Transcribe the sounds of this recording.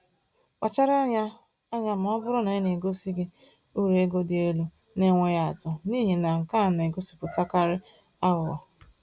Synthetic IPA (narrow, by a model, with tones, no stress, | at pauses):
kʷa˨t͡ʃa˦ɾa˦ | a˦ɲa˦m̩˨ɔ˦bʊ˦ɾʊ˦na˨ɪ˦ne˨ɡo˦si˦ɡɪ˦ | u˦ɾe˨e˦ɡo˦dɪ˦e˦lu˦ | ne˦ŋʷe˦ja˦a˨tʊ˨niː˦ɦi˨na˨ŋ̩˨ka˦˨n˨e˨ɡo˦si̥˦pʊ˨ta˦ka˦ɾɪ˦ | a˦ɣʊ˨ɔ̰˨